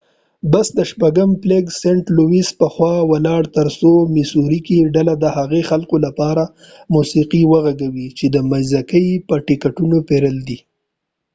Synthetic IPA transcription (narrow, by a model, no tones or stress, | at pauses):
basd̪əʃpaɡəmpleɡseɳʈluwispəxwɑwalɑɽt̪əɾsomɪsuɾikiɖalad̪əhaɣexalkolapɑɾa | musiqiwəɣaɡawit͡ʃed̪əmajzakəjpəʈɪkaʈunopeɾəld̪i